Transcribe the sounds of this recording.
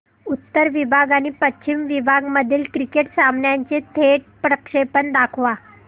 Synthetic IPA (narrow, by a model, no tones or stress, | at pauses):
ut̪ːəɾʋibʱaɡanipətːɕimʋibʱaɡməd̪ʱiːlkɾikeʈsamɳjaɲt͡ɕet̪ʰeʈ̚pɾəkʂepənd̪akʰʋa